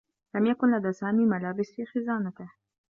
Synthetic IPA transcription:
lamjakʊnlaðaːsaːmiːmalaːbɪsfiːxɪzaːnat̪ɪh

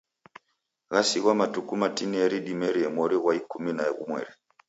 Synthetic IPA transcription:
ɣasiɣwamatukumatiniɛɾiɗimɛɾiɛmwɔɾiɣwaikuminaɛɣṵmwɛ̰ɾi

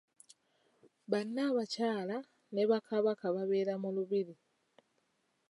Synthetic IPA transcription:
βanːaβacaːla | ne̞βakaβakaβaβe̞ːɾamuluβiɾi

